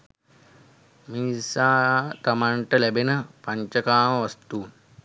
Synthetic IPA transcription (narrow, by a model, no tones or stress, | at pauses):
misaːt̪amaɳʈəlæbenəpaɲt͡ʃəkaːməʋast̪u